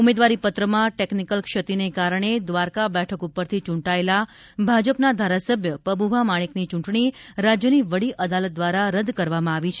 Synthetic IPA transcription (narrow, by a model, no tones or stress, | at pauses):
umed̪ʋaɾipət̪ɾəmãʈeknikəlkʃət̪inekaɾəɳ̃ed̪ʋaɾkabɛʈʰəkupəɾt̪ʰit͡ʃũɳʈaela | bʱad͡ʒəpnad̪ʱaɾasəbʱjəpəbubʱamaɽ̃iknit͡ʃũɳʈɳiɾad͡ʒjəniʋəɽiʔəd̪alət̪̚d̪ʋaɾaɾəd̪kəɾʋamãaʋit͡ʃʰe